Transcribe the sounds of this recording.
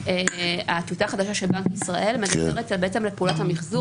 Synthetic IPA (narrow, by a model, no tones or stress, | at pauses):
eat̪utaːχad̪aʃaʃelbaŋkisʁaʔe̞lmedabeʁetalbeet͡semlepeulathamiχzu